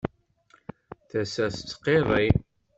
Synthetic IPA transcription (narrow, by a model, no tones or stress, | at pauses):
θæsæst͡sːqːeðˤi